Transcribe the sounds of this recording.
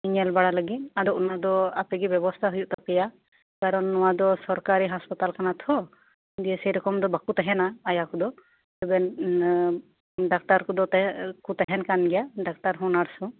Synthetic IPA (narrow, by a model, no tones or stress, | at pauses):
iɲɛlbaɽaləɡit̪̚ad̪ɔunad̪ɔapɛɡɛbɛbɔst̪ʰaɦujuʔt̪ɔpɛja | kaɾɔnːɔwad̪ɔsɔɾkaɾiɦaspat̪alkanat̪ʰɔ | d̪ijɛsɛjɾɔkɔmd̪ɔbakut̪ɛɦɛnaːjakud̪ɔ | t̪ɛbɛn | ɖak̚t̪aɾkud̪ɔkut̪ɛɦɛnkanɡɛjaɖak̚t̪aɾɦɔnaɾsɔ̃